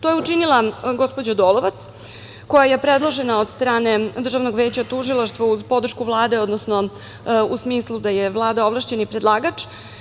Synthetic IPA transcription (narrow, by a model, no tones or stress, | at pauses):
t̪ojeut͡ʂinilˠaɡo̞spo̞d͡ʑod̪oːlo̞ʋat̪s | ko̞jaje̞pɾed̪lˠo̞ʒenaod̪st̪ɾaːne̞d̪rʒavnoɡʋe̞ːt͡ɕat̪uʒilˠaʃt̪ʋauzpo̞d̪r̩ʃkuvlˠaːd̪e̞o̞d̪nosno̞ | usmiːslˠud̪aje̞ʋlˠaːd̪aovlˠaʃt͡ɕe̞nipɾed̪lˠaːɡat͡ʂ